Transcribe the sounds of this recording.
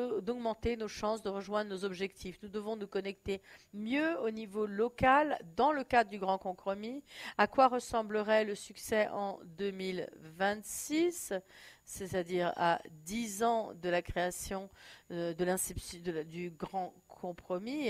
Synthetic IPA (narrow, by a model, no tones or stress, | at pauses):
d̪ɔɡmɑ̃t̪enoʃɑ̃sd̪əʁəʒwɛ̃d̪ʁənozɔbʒɛkt̪ʰifnud̪əvɔ̃nukɔnɛk̚t̪emjøonivolɔkald̪ɑ̃ləkad̪ʁəd̪yɡʁɑ̃kɔ̃pχɔmiakwaʁəsɑ̃bləʁɛləsyksɛʔɑ̰̃d̪ømilvɛ̃t̪sisː | et̪ad̪iʁa̰d̪izɑ̃d̪əlakχeasjɔ̃d̪əlɛ̃sipsd̪əd̪yɡʁɑ̃ | kʰɔ̃pχɔmi